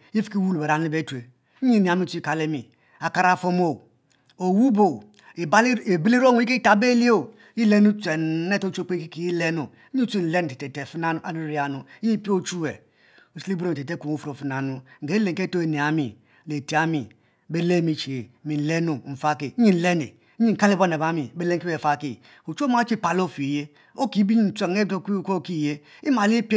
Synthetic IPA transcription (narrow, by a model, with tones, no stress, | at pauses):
ji˦fi̥˦ki˦wu˦lbe˨ɾa˨nu˦i˦be˦tu˨e˨˦ | i˦ni˨a˨mi˦u˦i˦ka˨le˦mi˨ | a˨ka˨ɾa˨fo˦mo˦˨ | o˨wu˦bo˨ | e˨ba˦le˨bi˦li˦ɾo˦n˨˦i˦ke˦ta˨be˦li˦o˦˨ | ji˦le˦nu˦t͡sʷe˨n˦ne˦to˦t͡ʃo˦k͡pe˦ki˦ki˦ji˦le˦no˨˦i˦t͡si˦n̩˨le˦n˨te˨te˨te˨fi˦na˦nu˨˦a˦lu˦ɾi˦a˨nu˨˦i˦pi˦o˦t͡ʃu˦e˨ | u˨si˦li˦bu˦ɾe˨te˦ku˨˦o˦˨fu˦ɾo˨fi˦na˨nu˦ŋ̩˨e˨˦i˦le˨ŋ˨ke˦to˦e˨ne˨a˨mi˨ | le˨ti˨a˦mi˨ | be˦le˦˨mi˦t͡ʃi˨e˨mi˨n̩˨le˦no˨n̩˨fa˦ki˨˦ɲi˦n̩˨le˦nḛ˨˦ | ɲi˦˨ka˦le˦bo˦n˨e˨ba˦mi˨˦be˦le˦ŋ˦ke˨fa˦ki˨ | o˨t͡ʃo˦ma˦t͡ʃi˦pa˨lo˦˨fi˨je˦ | o˦ki˨˦bi˦ɲi˦n̩˨t͡se˨˦e˦to˦ku˦ko˦ki˦˨je˦i˦ma˨li˦p